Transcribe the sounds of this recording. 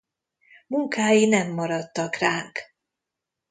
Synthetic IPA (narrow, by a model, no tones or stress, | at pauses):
muŋkaːjinɛmːɒɾɒt̪ːɒkraːŋk